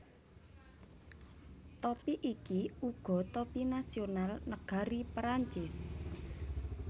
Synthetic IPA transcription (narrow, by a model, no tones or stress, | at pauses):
t̪ɔpiʔikiuɡ̥ɔ̤t̪ɔpinasionalnəɡ̥a̤ɾipɾaɲt͡ʃɪs